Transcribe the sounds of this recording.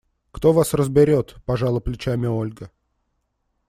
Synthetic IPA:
kt̪o̞vasrəzbʲɪɾʲo̞t̪pɐʐalˠʊplʲɪt͡ɕamʲɪolʲɡə

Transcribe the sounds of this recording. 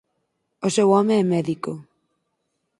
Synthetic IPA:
osewɔmeɛmɛðiko

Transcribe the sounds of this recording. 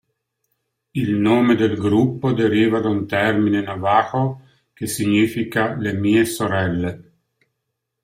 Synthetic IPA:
ilnoːmed̪elɡɾupːod̪eɾiːvad̪aunt̪ɛrminenavaːxo | kesiɲifikalemiːesoɾɛlːe

